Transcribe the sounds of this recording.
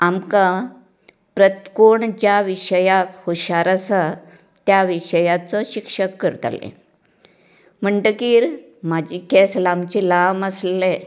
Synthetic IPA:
amka | pɾət̪koɳd͡ʑjaʋiɕəjakhoɕaɾasa | t̪jaʋiɕəjat͡sɔɕikʂəkːəɾt̪a̰lḛ̃ | m̤əɳʈəkiːɾ | mad͡ʑikeslamt͡ɕilaməsle

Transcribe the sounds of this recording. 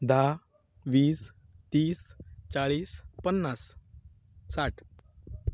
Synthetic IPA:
d̪ʱa | ʋiːs | t̪iːst͡ɕaɭiːspənːasː | aʈʰ

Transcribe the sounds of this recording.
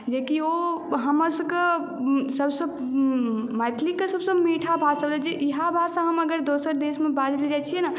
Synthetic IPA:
d͡ʒekioɦəməɾsə̃ke | səbsəb | majt̪ʰlikːesəbsə̃miʈʰabʱasəblɛd͡ʒeʔiɦabʱasãɦəməɡəɾd̪osəɾd̪esmebad͡ʒlid͡ʒat͡ʃʰijɛna

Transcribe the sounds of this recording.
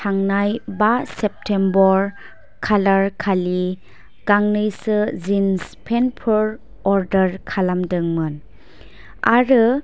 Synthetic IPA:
tʰaŋnajbasep̚tʰembɔɾ | kʰalaɾkʰali | ɡaŋnɯjsɯzinspʰenpʰuɾ | ɔɾdəɾkʰalamdɯŋmɯn | aɾɯ

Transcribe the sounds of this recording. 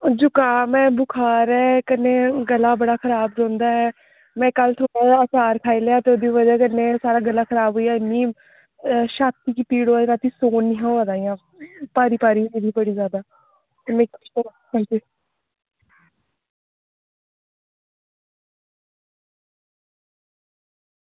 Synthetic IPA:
d͡ʒʊkaːmɛ̃ːbʊkʰaːɾɛːkəneːɡəlːaːbəɽaːkʰəɾaːbɾõːnd̪aːɛː | mɛ̃ːkəlt̪ʰoːɽaəsaːɾkʰaːiːleːaːt̪eːod̪iʋəd͡ʒaːkənːeːsaːɾaːɡəlːaːkʰəɾaːbɦoːijaːɪnĩː | ʃaːt̪iːkiːpiːɽoːɾaːt̪iːsoːnːiːɦaːad̪aːijãː | paːɾiːpaːɾiːiːd̪iːbəɽiːzjaːd̪aː | t̪eme | hãːnd͡ʒiː

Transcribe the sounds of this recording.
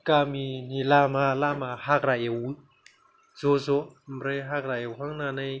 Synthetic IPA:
kaminilamalamahaɾaewi | z̥ozomɾeɦakɾaewɦaŋnanaj

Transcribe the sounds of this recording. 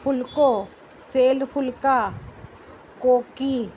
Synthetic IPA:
pʰʊlko | seːlpʰʊlka | koːki

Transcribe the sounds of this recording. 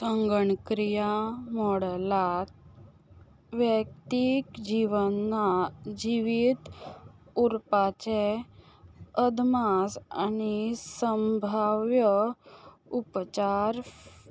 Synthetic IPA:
səŋɡəɳkɾijamɔɽlat̪̚ | ʋjək̚t̪ikd͡ʑiʋənːad͡ʑiʋit̪ | uɾpat͡ɕe | əd̪masa̰nisəmbʱaʋjə | upt͡ɕaɾ

